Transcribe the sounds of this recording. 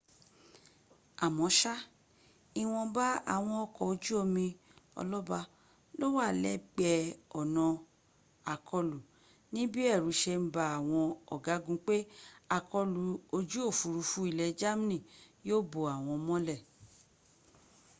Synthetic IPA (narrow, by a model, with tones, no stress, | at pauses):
a˨mɔ̃˨˦ʃa˦ | i˦w̃ɔ̃˧ba˦a̰˦˨w̃ɔ̃˧ɔ˧kɔ˨o˧d͡ʒu˦o˧mĩ˧ | ɔ̰˧lɔ˦ba˧ | lo˦wa˦˨lɛ˦ɡ͡bɛ˧ɔ˨nɔ̃˧ | a˨kʰɔ˧lu˨ | nĩ˦bi˦ɛ˦˨ɾũ˨˦ʃe˧m̩˦ba˧˦a˨w̃ɔ̃˧ɔ˨ɡa˨˦ɡũ˦k͡pe˦a˧kɔ˧lu˨o˧d͡ʒu˦o˦˨fu˨˧ɾu˧fu˦i˦˧lɛ˧d͡ʒa˦mi˦nĩ˦˨joː˦bo˨a˨w̃ɔ̃˧mɔ̃˦lɛ˦˨